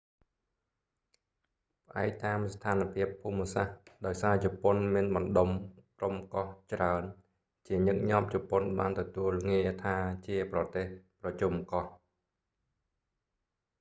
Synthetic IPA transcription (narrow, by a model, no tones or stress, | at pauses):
pʰəʔa̰ɛk̚t̪aːmst̪ʰaːnpʰiəpʰːuːmsahɗaɔjsaːt͡ɕɔponmiənɓɑnɗomkromkɑht͡ɕraən | t͡ɕiəɲɨk̚ɲɑːp̚t͡ɕɔponɓaːnt̪ɔt̪uəlŋiət̪ʰaːt͡ɕiəprɑt̪eːhprɑt͡ɕumkɑh